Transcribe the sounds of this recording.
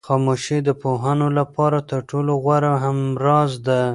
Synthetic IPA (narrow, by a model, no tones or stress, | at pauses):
xɑmoʃed̪əpoɦanolapɑɾat̪əɾʈʰoloɣwaɾaɦamɾɑzd̪a